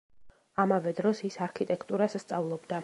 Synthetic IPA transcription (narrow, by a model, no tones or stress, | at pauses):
amavɛd̪ɾɔsisaɾkʰit̪ʼɛkʰt̪ʼuɾasːt̪sʼavlˠɔbd̪a